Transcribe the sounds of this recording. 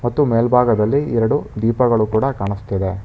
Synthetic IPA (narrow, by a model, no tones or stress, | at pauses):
mɐt̪ːumeːlbʱaːɡɐd̪ɐlːiiɾɐɽud̪iːpɐɡɐɭukuːɽɐkaːɳust̪ɐd̪e